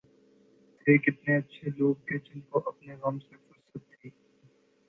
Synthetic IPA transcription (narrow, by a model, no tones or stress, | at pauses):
teːkɪt̪neɐtːʃʰeloːɡ̚ɦed͡ʒɪnkoʔɐpneɣɐmsefʊɾsət̪ʰːiː